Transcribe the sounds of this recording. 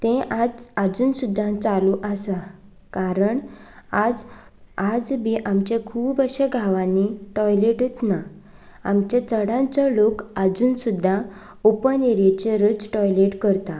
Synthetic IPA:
t̪ẽʔad͡zad͡zuːnsud̪ʱːãt͡saluʔəsa | kaɾəɳad͡z | ad͡zbiʔamt͡ɕakʰuːpəɕeɡʱaʋãnːiʈɔjleʈet̪na | a̰mt͡ɕat͡səɽãnt͡sɔlokad͡zuːnsud̪ʱːa | opəneɾet͡ɕeɾət͡sʈɔjleʈkəɾt̪a

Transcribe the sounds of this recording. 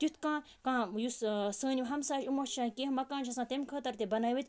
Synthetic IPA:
t̪ʲut̪ʰkãː | kãːjussəːnʲiʋɦɐmsaːt͡ʃumɐʃaːnkeːɦmɐkãːnt͡ʃʰɐsãːt̪emʲkʰəːt̪ɐɾt̪ebɐnaːʋit̪ʲ

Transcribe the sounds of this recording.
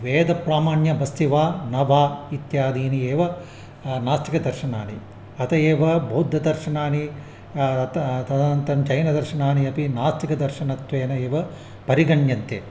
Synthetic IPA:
ʋeːd̪ɐpɾaːmaːɳjɐbɐst̪iʋaːnɐʋaːit̪jaːd̪iːnieːʋɐ | naːst̪ikɐd̪ɐɾʃɐnaːni | ɐt̪ɐjeːʋɐbʱoːd̪ʱːɐd̪ɐɾʃɐnaːni | t̪t̪ɐɐnt̪ɐmt͡ʃɐjnɐd̪ɐɾʃɐnaːniɐpinaːst̪ikɐd̪ɐɾʃɐnɐt̪ʋeːnɐeːʋɐ | pɐɾiɡɐɳjɐnt̪eː

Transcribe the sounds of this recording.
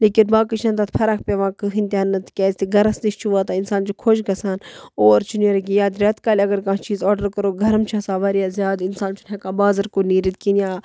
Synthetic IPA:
leːkinbaːkit͡ʃʰɐ̃nt̪at̪pʰɐɾakʰpʲeʋãːkɨɦint̪ʲaːnːɨt̪kʲɛːzʲt̪iɡʱɐɾɐsniʃt͡ʃʰuʋaːt̪aɪnsaːnt͡ʃukʰoʃɡɐsaːnoːɾt͡ʃʰuneɾɡijaːd̪ɾʲɐt̪kaːlʲɐɡɐɾkãːt͡ʃiːzɔːɖəɾkɐɾoːɡʱɐɾɐmt͡ʃʰasaːʋɐɾjaːzjaːd̪insaːnt͡ʃʰunʰɐ̃kãːbaːzɐɾkoniːɾit̪̚kinjaː

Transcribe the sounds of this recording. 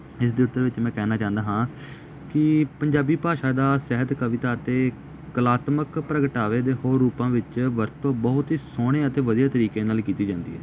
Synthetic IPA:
ɪs̬d̪eːʊt̪ːəɾʋɪt͡ʃmɛ̃ːkɛːnaːt͡ʃãːənd̪aːɦãː | kɪpəɲd͡ʒaːbiːpaːʃaːd̪aːsɛɦəd̪kəʋɪt̪aːət̪eː | kəlaːt̪məkpɾəɡəʈaːʋeːd̪eːhoːɾːuːpãːʋɪt͡ʃʋəɾt̪õːbəɦʊt̪ɦiːsoːɽ̃eːət̪eːʋəd̪ijaːt̪əɾiːkeːnaːlkiːt̪iːd͡ʒãːnd̪ḭːɦɛ̰ː

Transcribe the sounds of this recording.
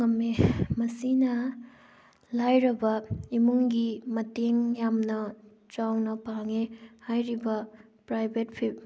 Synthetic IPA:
ŋɐmːemɐsinɐ | lajɾɐbɐimuŋɡimɐteŋjamnɐ | t͡ʃawnɐpaŋehajɾibɐ | pɾajbʱet̚pʰip̚

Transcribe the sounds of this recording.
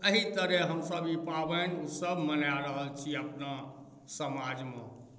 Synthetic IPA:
əɦit̪əɾeɦəmsəbipabənusəbʱmənaɾəɦəlt͡ʃʰiəpna | səmad͡ʒme

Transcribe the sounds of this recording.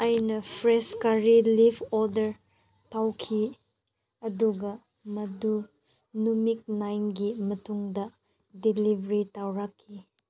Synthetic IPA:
ɐjnɐpʰɾeskaɾilibɔɾdɐɾ | tawkʰi | ɐduɡɐ | mɐdu | numik̚najnɡimɐtuŋdɐ | dilibɾitawɾakʰːi

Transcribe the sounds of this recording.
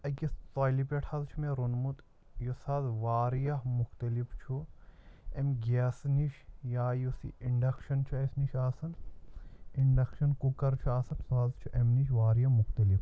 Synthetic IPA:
ɐkist̪aːlipeʈʰɐzt͡ʃʰumeɾunmut̪ | josazʋaːɾijɐɦmuxt̪ɐlift͡ʃʰu | emɡɛːsniʃjaːjusḭiɳɖɐkʃɐnt͡ʃʰuɐsniʃaːsɐn | iɳɖɐkʃɐnkukɐɾt͡ʃʰuaːsɐnsuɦazt͡ʃʰuʔemniʃʋaːɾijɐmuxt̪ɐlif

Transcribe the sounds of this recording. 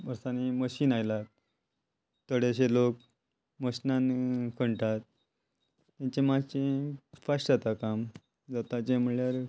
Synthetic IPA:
əɾsaniməɕiːnajlat̪ | t̪əɽeɕelok̚ | məɕnankʰəɳʈat̪̚ː | ãɲt͡ɕemat͡ɕẽfasʈd͡zat̪akam | d͡zat̪at͡ɕẽm̤əɭljaɾ

